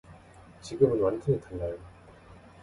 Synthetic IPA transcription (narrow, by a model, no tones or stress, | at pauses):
t͡ɕiɡɯmɯnwantʰɯnitʰanːa